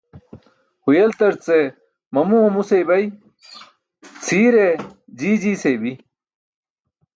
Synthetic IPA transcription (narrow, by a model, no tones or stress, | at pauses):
hujɐlt̪ɐɾt͡se | mɐmumusejbɐj | t͡sʰiːɾe | d͡ʑiːd͡ʑiːsebi